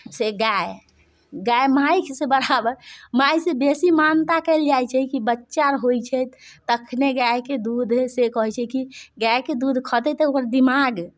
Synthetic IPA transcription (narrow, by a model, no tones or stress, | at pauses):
seɡae | ɡajmajkʰsebəɾabəɾmajsebesimant̪akɛld͡ʒajt͡ʃʰɛkibətːʃaɾɦojt͡ʃʰɛt̪əkʰneɡajked̪ud̪ʱsekəɦɛt͡ʃʰɛkiɡajked̪ud̪ʱkʰət̪ɛt̪əokɾd̪imaɡ